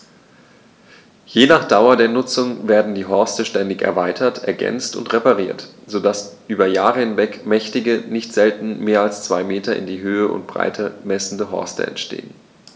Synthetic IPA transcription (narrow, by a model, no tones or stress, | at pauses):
jeːnaːχd̥aʊɐdeːɐnʊt͡sʊŋveːɐdn̩diːɦɔɐstəʃtɛndɪçɛ̰ɐvaɪtʰɐtʰɛ̰ɐɡɛ̰nt͡stʊ̰ntʁepaʁiːɐtz̥oːdasʔyːbɐjaːʁəhɪnvɛkmɛçtɪɡənɪçtz̥ɛltn̩meːɐalst͡sv̥aɪmeːtɐʔɪ̰ndiːɦøːəʔʊ̰ntb̥ʁa̰ɪtʰəmɛsn̩dəɦɔ̰ɐstə̰ɛ̰ntʃtḛːən